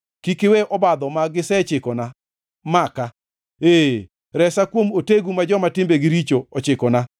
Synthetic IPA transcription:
kikɪweʔɔbad̪ɔmaɡɪsɛt͡ʃɪkɔna | maka | eː | ɾɛsakwomoteɡumad͡ʒɔmatɪmbeɡɪɾit͡ʃoɔt͡ʃɪkɔna

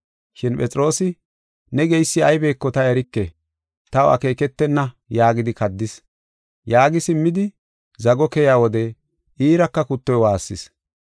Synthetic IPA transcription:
ʃɪnpɛt͡sʼɪɾo̞ːsɪ | nɛɡɛjsːɪɐjbe̞ːkːɔt̪ɐɛɾɪkːɛ | t̪ɐwɐ̰ke̞ːkɛt̪ːɛnːɐ | jaːɡɪd̪ɪkɐd̪ːɪs | jaːɡɪsɪmːɪd̪ɪ | zɐɡɔkɛjaːwɔd̪ɛ | iːɾɐkːɐkʊt̪ːɔjwaːsːɪs

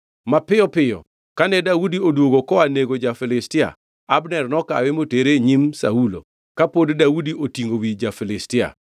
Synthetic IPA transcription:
mapɪjɔpɪjɔ̰ | kanɛdawudiodwoɡokɔaneɡod͡ʒafɪlɪstɪa̰ | abnɛrnɔka̰wɛmoteɾeɲimsa̰ulo̰ | kapoddaudiʔotiŋɡowid͡ʒafɪlɪstɪa̰

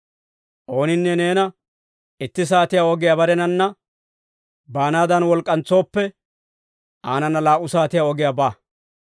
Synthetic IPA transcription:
ʔo̞ːnɪnːɛneːnɐ | ɪt̪ːɪs̬aːt̪ɪjaɔɡɪjabɐɾɛnɐnːɐ | baːnaːd̪ɐnwɔlkʼːɐnt͡so̞ːpːɛ | aːnɐnːɐlaːʔʊsaːt̪ɪjaɔɡɪjabaː

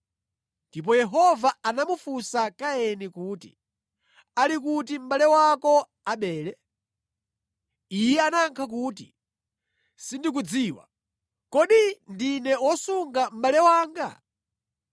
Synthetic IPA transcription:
ndipɔjɛɦɔvaanamufusakaɛnikuːtḭ | alikutim̩ɓalɛwakɔ | aɓɛːlɛ | ijɛanaŋkʰak̬uːtḭ | sindik̬ud͡ziːwa̰ | kɔɗindinɛwɔsuŋɡam̩ɓalɛwaːŋɡa̰

